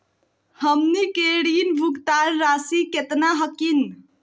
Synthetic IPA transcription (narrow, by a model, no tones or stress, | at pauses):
həmnikeɽinbʱuɡt̪aɾːasiket̪naɦəkin